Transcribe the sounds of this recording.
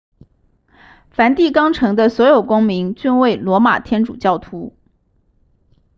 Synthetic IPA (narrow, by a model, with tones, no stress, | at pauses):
fa˧˥nt̪i˥˩kɑ˥ŋʈ͡ʂʰɤ˧˥ŋd̪ə˧swɔ˧˥jo˨˩ʊkʊ˥ŋmi˧˥ŋt͡ɕy˥˧nwe˥˩ɪlwɔ˧˥ma̰˨˩t̪ʰjɛ˥nʈ͡ʂṵ˨˩t͡ɕjɑ˥˩ʊt̪ʰu˧˥